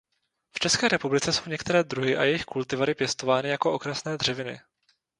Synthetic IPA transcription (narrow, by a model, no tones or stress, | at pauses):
ft͡ʃɛskɛːɾɛpublɪt͡sɛso̞wɲɛkt̪ɛɾɛːd̪ɾuɦɪʔa̰jɛjɪxkult̪ɪvaɾɪpjɛst̪o̞vaːnɪjako̞ʔo̞kɾasnɛːd̪r̝̥ɛvɪnɪ̰